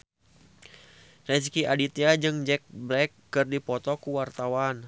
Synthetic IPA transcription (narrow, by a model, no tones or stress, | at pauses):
rɛs̬kiadit̪iad͡ʒɨŋd͡ʒɛk̚blɛkːɨrdipɔt̪ɔkuwart̪awan